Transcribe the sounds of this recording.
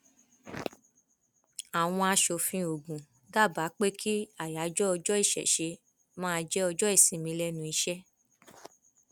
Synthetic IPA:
a˨w̃ɔ̃˧a˧ʃo˨fĩ˧˦o˨ɡũ˨ | ɡa˦˨ba˨˦k͡pe˦kʰi˦a˨ja˨˦d͡ʒɔ˦ɔ˧d͡ʒɔ˦i˦˨ʃɛ̰˨ʃe˧ | mã˦˧d͡ʒɛ˦ɔ˧d͡ʒɔ˦i˦˨sĩ˨˦˨mĩ˧˦lɛ˦nũ˧i˧ʃɛ˦

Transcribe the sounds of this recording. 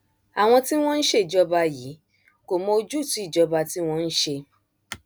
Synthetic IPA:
a˨w̃ɔ̃˧ti˦w̃ɔ̃˦n̩˦ʃe˦i˨d͡ʒɔ˧ba˧ji˨˦ | ko˨mɔ̃˧o˧d͡ʒu˦˨tũ˨˦i˦˨d͡ʒɔ˧ba˧ti˦w̃ɔ̃˦˧n̩˦ʃe˧

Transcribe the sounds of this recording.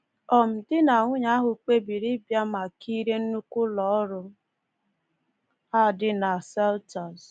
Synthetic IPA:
ɔ˨m̩˨dɪ˦na˨ŋʷʊ˦ɲa˦ɦʊ˨k͡pe˦bi˨ɾi˦bja˦ma˨ki˦ɾe˦n̩˦nu˦kʷʊ˦lɔ˨ɔ˦ɾʊ˦ | a˦˨dɪ˦na˨sɛ˦lta˨z

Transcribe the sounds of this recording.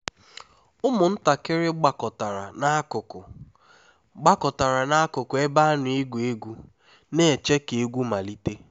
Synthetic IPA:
ʊ˦mʊ˨n̩˦ta˨kɪ˦ɾɪ˦ɡ͡ba˨kɔ˨ta˨ɾa˨a˦ʊ˨ʊ˨ | ɡ͡ba˦kɔ˨ta˨ɾa˨na˦a˦kʊ˨kʊ˨e˦ba˦nʊ˨i˦ɡʷu˨e˦ɡu˦ | ne˦e˨t͡ʃe˦ke˨e˦ɡʷu˦ma˨li˦te˦

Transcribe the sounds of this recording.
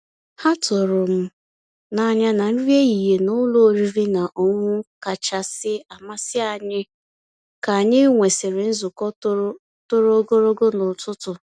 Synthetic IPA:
ha˦tʊ˨ɾʊ˨m̩˦ | na˨ɲa˦na˨n̩˦ɾje˦i˨ɦe˨nʊ˦lo˦˨ɾi˦ɾi˦na˨ʔo˦˨ŋʷʊ˦ka˨t͡ʃa˦sɪ˦a˨ma˦sɪ˦a˨ɲɪ˦ | ka˨a˨ɲɪ˦ŋʷe˨sɪ˨ɾɪ˨n̩˦zʊ˨kɔ˦ | tʊ˦ɾo˦ɡo˦ɾo˦ɡo˦nʊ˨tʊ˦tʊ˨

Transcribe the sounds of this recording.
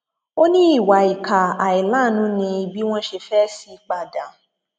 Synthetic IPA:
o˦nĩ˦i˦˨wa˨˦i˨kʰa˨a˨i˨la˨˦˨nũ˨˦nĩ˧i˧bi˦w̃ɔ̃˦ʃe˧fɛ˦si˦k͡pa˨da˨

